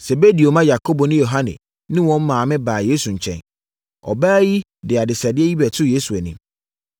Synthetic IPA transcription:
sɛ˨be˦di˨o˨mã˦ja˨kʰo˦bo˨nɪ̃˦jo˨ɦã˦nɪ̰̃˨ | nɪ̃˦wɔ̃˦m̩˦mãː˨mɪ̃˦baː˨jeː˦su˨ɲ̩˨t͡ɕʰɛ̰̃˨n | ɔ̰˨baː˦ji˦ | dɪ˨a˨dɪ˨sa˨dɪ˦ɛ˦ji˦bɛ˨tʰʊ˦je˦su˨æ˨nĩ˨m

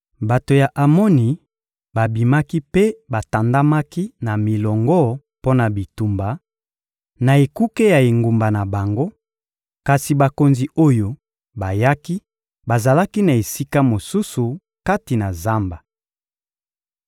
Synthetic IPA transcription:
ba˨to˨ja˨ʔa˨mɔ˦ni˨ | ba˨bi˨ma˦ki˦pe˦ba˨ta˨nda˦ma˦ki˦na˨mi˨lɔ˨ŋɡɔ˦ | po˦na˨bi˨tu˨mba˨ | na˨e˨ku˦ke˦ja˨e˨ŋɡu˨mba˨na˨ba˨ŋɡo˦ | ka˨si˨ba˨ko˨nzi˨o˦jo˨ | ba˨ja˦ki˦ | ba˨za˨la˦ki˦na˨e˨si˦ka˦mo˨su˦su˨ | ka˦ti˨na˨za˦mba˨

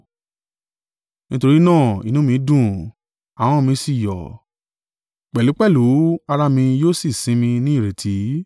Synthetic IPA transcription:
nĩ˦to˧ɾi˦nãː˦˨ḭ˨nũ˨˦mĩ˧˦dũ˦˨ | a˨w̃ɔ̃˦mĩ˧si˦˨jɔ̰˨ | k͡pɛ˨lu˨˦k͡pɛ˦˨lu˨˦a˧ɾa˧mĩ˧joː˦si˦˨sĩ˨˦mĩ˧nĩ˦˨ɾe˨tʰi˨˦

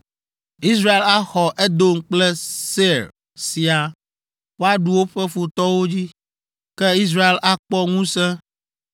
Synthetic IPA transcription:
i˦sɾa˦e˦la˦xɔ˨ʔɛ˦d̪o˦ŋ̩˦k͡plɛ˦se˦ɾ | si˨a˨ | wo˦a˦ɖu˦wo˦ɸɛ˦fu˨t̪ɔ˦wo˦d͡ʑi˦ | kɛ˦i˦s̬ɾa˦e˦lʔa˦k͡pɔ˦ŋũ˦sɛ̃˦

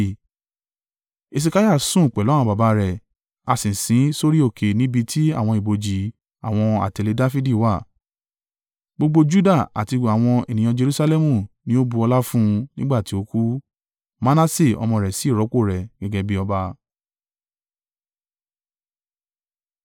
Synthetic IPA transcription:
e˧s̬i˧ka˦ja˦˨sũ˦˨k͡pɛ˨lɔ˦ã˧ba˨ba˨˧ɾɛ˨ | a˧sĩ˨sĩ˨˦so˦ɾi˦o˦˨kʰe˨nĩ˦bi˧tʰi˦a˦˨w̃ɔ̃˧i˨bo˨d͡ʒi˨ | a̰˨w̃ɔ̃˧a̰˨te˧le˧da˦fi˦di˦˨wa˦˨ | ɡ͡bo˧ɡ͡bo˧d͡ʒu˦da˦˨a̰˨ti˧a˨w̃ɔ̃˧e˨nĩ˨j̃ã˧d͡ʒe˧ɾu˦sa˧lɛ˦mũ˦˨nĩ˦o˦bu˧ɔ˧la˦fũ˦nĩ˦ɡ͡ba˦˨ti˨˦o˧˦ku˦ | ma˦na˦se˦˨ɔ̰˧mɔ̃˧˨ɾɛ˨si˨˦i˦˨ɾɔ˨˦ko˦˨ɾɛ˨ɡ̥ɛ˧ɡɛ˧bi˦ɔ˧ba˧

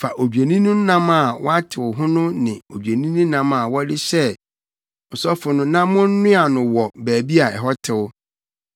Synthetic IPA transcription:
fa˨ʔo˨d͡ʑᶣe˨nĩ˦nʊ̃˦n̩˦nã˦ma˨wʔɔ˦a˦tʰɪ˨wʊ˨ɦʊ̃˦nʊ̃˦nɪ̃˨o˨d͡ʑᶣe˨nĩ˦nʊ̃˦nã˦ma˨wɔ˦dɪ˦ɕɛ˦ | ɔ˨sɔ˦fʊ˨nʊ̃˦nã˦mʊ̃˦n̩˦nʊ̃˦a˨nʊ̃˨wɔ˨bæː˨bi˦a˨ɛ̰˨ɦɔ˦tʰɪ˨wʊ˦

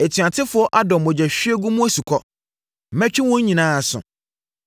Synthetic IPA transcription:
e˨tʰɥã˨tʰɪ˦fʊ˨˦ɔ˦ʔa˦dɔ̃˨mmɔ̃˨d͡ʑɛ˨ɕᶣɥe˦ɡũ˦mũ˦æ˦su˨kʰɔ˦ | m̩˨mɛ̃˦t͡ɕᶣĩ˦wɔ̃˦ɲ̩˦ɲĩ˨nãː˦a˨sʊ̰̃˨

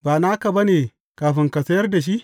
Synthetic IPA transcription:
baː˨na˦ka˨bɐ˦neː˨ | kaː˨ɸɪ˦ŋkɐ˨sɐ˦jɐ˦rda˨ʃ̬i˦ʔ

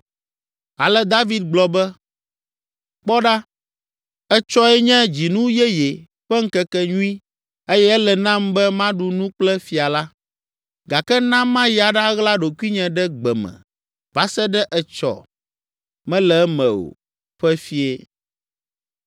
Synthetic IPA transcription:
a˨lɛ˦d̪a˦vi˦d̪̚ɡ͡blɔ˨bɛ˦ | k͡pɔ˦ɖa˦ | ɛ˦t͡ʃɔ˦ɛ˦ɲɛ̃˦d͡ʑi˨nũ˦jɛ˦jɛ˨ | ɸɛ˦ŋ̩˦kɛ˦kɛ˦ɲũ˦i˦ | e˦jɛ˦ɛ˦lɛ˨nã˦mbɛ˦mã˦ɖu˨nũ˦k͡plɛ˦fi˨a˨la˦ | ɡa˨kɛ˦nã˦mã˦ja˨ɖa˦ɣla˦ɖo˨ku˦i˦ɲɛ̃˨ɖɛ˦ɡ͡bɛ˨mɛ̰̃˨ | va˦sɛ˦ɖɛ˦ʔɛ˦t͡ʃɔ̰˨ | mɛ̃˦lɛ˨˦mɛ̰̃˨o̰˨ | ɸɛ˦fi˦e˦

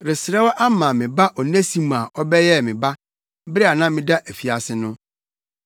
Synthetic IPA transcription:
ɾɪ˨sɾɛ˦wɔ˦ʔa˦mãː˨mɪ̃˨ba˦ʔɔ˨nẽ˦sĩ˨mã˨ɔ˦bɛ˦jɛ˦˨mɪ̃˨ba˦ | bɾɛ˦a˨nã˦mɪ̃˨da˦ʔæ˨fi˨a˨sɪ˦nʊ̃˦

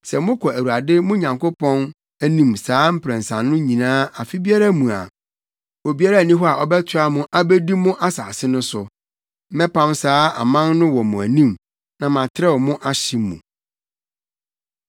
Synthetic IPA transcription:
sɛ˨mʊ̃˦kʰɔ˨æ˨wu˨a˨dɪ˦mʊ̃˦ɲã˨ŋko˦pʰɔ̃˦n | æ˦nĩ˨msaː˦m̩˦pʰɾɛ̃˨nsã˨nːʊ̃˦ɲĩ˨nãː˦a˨fi˦bi˦a˦ɾa˦mũ˨a̰˨ | ɔ˨bi˦a˦ɾa˦˨nĩ˦ɦɔ˦a˨ʔɔ˦bɛ˦tʰʊ˦a˦mʊ̃˦ʔa˦bæ˦di˦mʊ̃˦ʔa˦saː˨sɪ˦nʊ̃˦sʊ˨˦ | mɛ˦pʰã˦msaː˦a̰˨mã˦nnʊ̃˦wɔ˨mʊ̃˨æ˨nĩ˦m | nã˨mã˨tʰɪ˦ɾɛ˦wmʊ̃˦ʔa˦ɕɪ˦mːṵ̃˨

